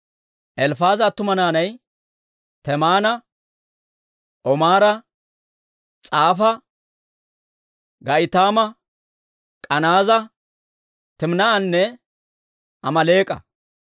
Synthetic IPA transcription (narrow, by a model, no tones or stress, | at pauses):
ʔɛlfaːzɐt̪ːʊmɐnaːnɐj | t̪ɛmaːnɐ | ʔɔmaːɾɐ | t͡sʼaːfɐ | ɡɐʔɪt̪aːmɐ | kʼɐnaːzɐ | t̪ɪmnɐɐnːɛ | ʔɐmɐle̞ːkʼːɐ̰